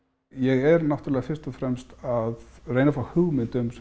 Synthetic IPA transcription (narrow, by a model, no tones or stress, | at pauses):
jɛɣɛɾnawht̪ʏɾlɛɣafɪrst̪ɔfɾɛmst̪aðrejnafɾahʏɣmɪnt̪ʏms